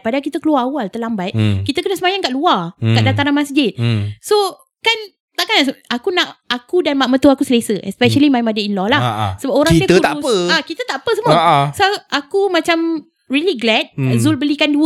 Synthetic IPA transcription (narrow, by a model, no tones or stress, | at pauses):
padakit̪əkəluaawalt̪əlambajkit̪əkənəsəmajaŋkaʔluarkaʔdat̪aɾanmasd͡ʒɪt̪̚so | kan | t̪aʔkanasakunaʔakudanmaʔmət̪uakusəlesəʔɛ̰spɛʃəlimajmadəinlɔlahsəbapoɾãdit̪əut̪auəakit̪ət̪aʔpəsəməsoʔakumãt͡ʃam | ɹiliɡlɛt̚zulbəlikanduə